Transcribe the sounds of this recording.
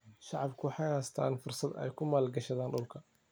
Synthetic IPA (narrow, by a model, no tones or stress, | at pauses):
ʃaʕɑbkʰʊwħajhaːst̪ʰa̰ːnfʊɾsɑd̪ʔa̰jkʊmaːlɡɐʃɐd̪aːnɗʊlkʰɐ